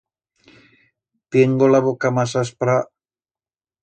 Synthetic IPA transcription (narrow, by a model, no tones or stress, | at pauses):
pieŋɡolaβokamasaspɾa